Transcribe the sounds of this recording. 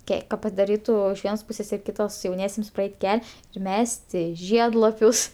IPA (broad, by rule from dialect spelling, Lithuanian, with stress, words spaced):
ˈkʲɛ kɐ pɐdɐˈrʲiːtʊ ɪʃ ˈʋʲiɛnoːs ˈpuːsʲeːs ɪr kʲɪˈtoːs jɛʊˈnʲiɛsʲiɛms prɐˈɛɪtʲ ˈkʲɛlʲ ɪr ˈmʲæːsʲtʲɪ ˈʒʲiɛdlˠɐpʲʊs